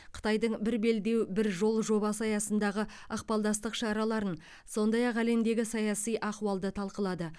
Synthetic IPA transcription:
qʰə̥t̪ɑjd̪əɴbɪɾbe̞ld̪e̞wbɪɾʒo̞lˠʒo̞bɑsɑjɑsənd̪ɑʁə | ɑqpɑlˠd̪ɑst̪əqʃɑɾɑlˠɑɾən | so̞nd̪ɑjɑqæle̞md̪e̞ɡʲɪsɑjɑsijʔɑqwɑlˠd̪ət̪ʰɑlˠqəlˠɑd̪ə

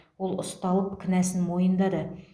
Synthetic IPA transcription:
wolˠʊst̪ɑlˠəpkʲʰɪnæsɪnmojənd̪ɑd̪ə

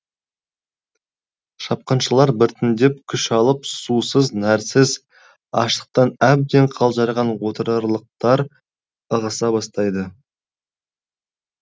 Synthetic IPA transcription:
ʃɑp̚qɑnʃəlˠɑɾbɪɾt̪ɪnd̪ep̚kʲʰʏʃɑlˠəpsusəznæɾsɪz | ɑ̰ʃt̪ə̥q̚t̪ɑnæb̚d̪e̞ɴqʰɑlˠʒɑɾʁɑnwo̞t̪əɾɑɾlˠəq̚t̪ɑɾ | əʁəsɑbɑst̪ɑjd̪ə

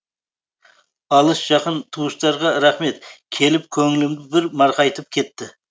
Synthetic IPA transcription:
ɑlˠəsʒ̥ɑqənt̪ʰuwəʃt̪ɑɾʁɑɾæχme̞t̪kʲʰe̞lɪp̚kʲʰɵŋɪlɪmd̪ɪbɪɾmɑɾqɑjt̪əp̚kʲʰe̞t̪ːɪ

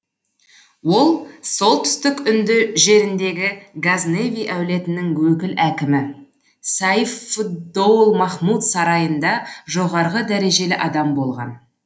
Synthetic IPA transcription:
wo̞lˠso̞lˠt̪ʰʏ̥st̪ɪkʏnd̪ɪʒe̞ɾɪnd̪e̞ɡʲɪɡazne̞vʲijʔæwle̞t̪ɪnɪŋwɵkʲɪlʔækʲɪmɪ | sɑifut̪̚bowlˠmɑχmut̪sɑɾɑjənd̪ɑʒo̞ʁɑɾʁəd̪æɾe̞ʒe̞lɪʔɑd̪ɑmbo̞lˠʁɑ̰n

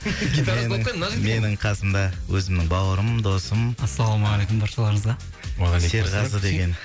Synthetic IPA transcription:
enɪme̞nɪɴqʰɑsəmd̪ɑwɵzɪmnɪŋbɑwəɾəmd̪o̞səmɑsːɑlˠomɑʁɑlejkʊmd̪ʰɑɾʃɑlˠɑɾŋəzʁɑ | se̞ɾzʁɑzəd̪e̞ɡʲe̞n

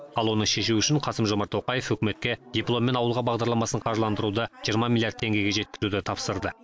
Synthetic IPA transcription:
ɑlˠwo̞nəʃe̞ʃ̬uʏʃɪɴqʰɑsəmʒo̞mɑɾt̪oqɑje̞fɵkʲɪme̞t̪̚kʲe̞d̪̥ʲiplˠo̞mːe̞nɑwəlˠʁɑbɑʁd̪ɑɾlˠɑmɑsəɴqʰɑʒlˠɑnd̪əɾud̪əʒ̥ijəɾmɑmilʲˠjaɾd̪ʰe̞ŋɡʲe̞jɡʲe̞ʒe̞t̪̚kʲɪzud̪ɪt̪ʰɑpsəɾd̪ə

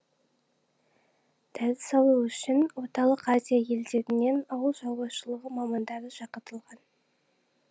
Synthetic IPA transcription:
t̪ʰæzɪsɑlˠuʏʃɪnwo̞t̪ɑlˠəqazʲijaje̞ld̪e̞ɾɪne̞nɑwəlˠʒɑw̪ˠbɑʃəlˠəʁəmɑmɑnd̪ɑɾəʒɑqət̪əlˠʁɑn

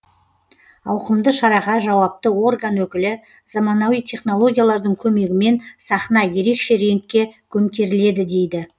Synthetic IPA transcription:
ɑwqəmd̪əʃɑɾɑʁɑʒɑwɑp̚t̪əwo̞rɡanwɵkʲɪlɪ | z̥ɑmɑnɑwijt̪ʰe̞χno̞lˠo̞ɡʲijalˠɑɾd̪əɴkʲʰɵme̞ɡʲɪme̞nsɑχnɑje̞ɾe̞kʃe̞ɾe̞nt̪̚kʲe̞kʲʰɵmt̪ʲe̞ɾɪle̞d̪ɪd̪e̞jd̪ɪ

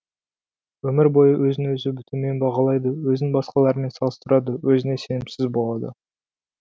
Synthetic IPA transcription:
wɵmɪɾbo̞jəwʔɵzɪnwɵzɪbɪt̪ume̞nbɑʁɑlˠɑjd̪əwɵzɪnbɑsqɑlˠɑɾəme̞nsɑlˠəst̪əɾɑd̪əwɵzɪne̞se̞nɪmsɪzbo̞lˠɑd̪ə̰

